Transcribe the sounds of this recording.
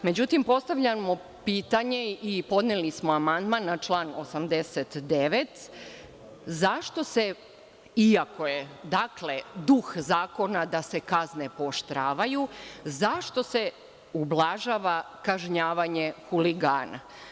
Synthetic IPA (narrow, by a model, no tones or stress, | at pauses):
me̞d͡ʑut̪impo̞st̪aʋʎamo̞ | piːt̪aɲe̞ipo̞d̪nelismoamand̪manːat͡ʃlˠaːno̞samd̪eset̪d̪eʋet̪ | zaʃt̪o̞se̞ | iako̞je̞d̪akle̞d̪uxzaːko̞nad̪ase̞kazne̞poʃt̪ɾaːʋajuzaʃt̪o̞se̞ | ublˠaʒaːʋa | kaʒɲaːʋaɲexuliɡaːna̰